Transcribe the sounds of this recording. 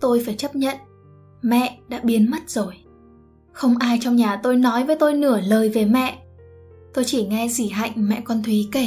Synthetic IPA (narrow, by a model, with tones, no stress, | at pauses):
t̪o˧jfaː˧˩jt͡ɕə˦˥p̚ɲə̰˧˨n | mɛ̰˧˨ɗa̰ː˧˥ɓi˨˦ənmə˦˥t̚z̥o˨˩j | xə˧wŋ͡mʔaː˧jt͡ɕɔ˧wŋ͡mɲaː˨˩t̪o˧jnɔ˨˦jvəː˨˦jt̪o˧jnɨ˧˩ələː˨˩jve˨˩mɛ̰˧˨ʔ | t̪o˧jt͡ɕi˧˩ŋɛ˧zi˧˩ɦa̰˧˨jŋ̟mɛ̰˧˨kɔ˧nt̪ʰwi˨˦ke˧˩